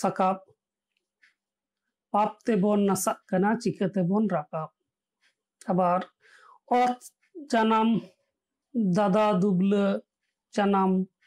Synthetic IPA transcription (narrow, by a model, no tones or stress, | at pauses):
sakap̚ | pap̚t̪ɛbɔnːasaʔkanat͡ʃikət̪ɛbɔnɾakap̚ | abaɾ | ɔt̪ | d͡ʒanam | d̪ad̪ad̪ublə | d͡ʒanam